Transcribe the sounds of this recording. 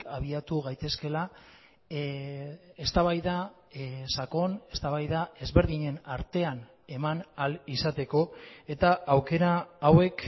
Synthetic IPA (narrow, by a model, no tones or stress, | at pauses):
aβ̞iat̪uɣajt̪e̞ske̞la | est̪aβ̞ajða | sako̞ne̞st̪aβ̞ajðae̞zβe̞ɾðiɲe̞naɾt̪e̞an | e̞manalisat̪e̞ko̞e̞t̪aawke̞ɾaːwe̞k